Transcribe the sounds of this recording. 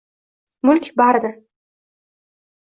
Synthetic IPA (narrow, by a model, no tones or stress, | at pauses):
mʊlʲkʲbaɾd̪ɪ